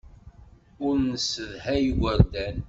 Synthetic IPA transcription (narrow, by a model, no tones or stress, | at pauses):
ʊɾnsəðhæjwəɾd̪æn